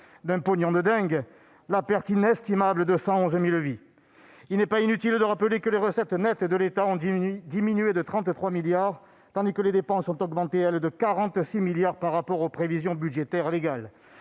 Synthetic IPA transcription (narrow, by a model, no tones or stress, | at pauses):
d̪ɛ̃pɔnjɔ̃d̪əd̪ɛ̃ɡ | lapɛʁt̪inɛst̪imabləd̪əsɑ̃ɔ̃zmilvi | ilnɛpainyt̪ild̪əʁapəlekəleʁəsɛt̪nɛt̪d̪əlet̪aɔ̃d̪iminyed̪ət̪χɑ̃t̪t̪χwamiljaʁ | t̪ɑ̃d̪ikəled̪epɑ̃sɔ̃t̪ɔɡmɑ̃t̪eɛld̪əkaʁɑ̃t̪similjaʁpaʁːapɔʁopχevizjɔ̃byd̪ʒet̪ɛʁleɡal